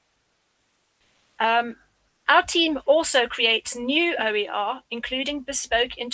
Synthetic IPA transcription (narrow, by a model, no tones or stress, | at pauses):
ʔm | ʔaʊətʰĩːmɔˑlˠsəʊkʰɹ̥ieɪtsnjʉːəʊiʔɑːɪ̃nkʰl̥ʉːɾɪ̃ŋbɪspəʊkʰɪ̃n